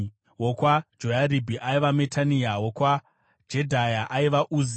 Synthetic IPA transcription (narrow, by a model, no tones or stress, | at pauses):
wokwad͡ʒojaɾibʱiʔaiʋametaniawokwa | d͡ʒedʱajaʔaiʋaʔuz